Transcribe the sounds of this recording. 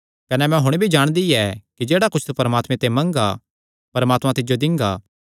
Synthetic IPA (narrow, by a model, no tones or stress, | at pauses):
kɐnɛmɛ̃ɦʊɽ̃bʱid͡ʒaːɽ̃d̪iɛkid͡ʒeːɽakʊt͡ʃʰt̪upɐɾəmaːt̪mẽt̪emɐ̃ŋɡa̰ | pɐɾəmaːt̪mãt̪ɪd͡ʒod̪ɪ̃ŋɡaː